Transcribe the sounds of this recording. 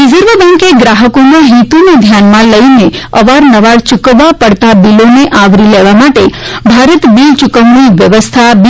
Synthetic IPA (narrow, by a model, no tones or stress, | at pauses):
ɾizəɾʋəbɛ̃ŋkeɡɾaɦəkomãɦit̪uned̪ʱjanmãləineəʋaɾnəʋaɽt͡ʃʊkəʋːapəɽt̪abiloneʔaʋɾileʋamaʈebʱaɾət̪bilt͡ʃʊkəmniʋjəʋəst̪ʰab